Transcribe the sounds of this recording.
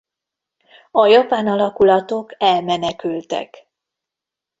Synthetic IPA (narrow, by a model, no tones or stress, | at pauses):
ɒjɒpaːnɒlɒkulɒt̪o̞kɛlmɛnɛkylt̪ɛ̰k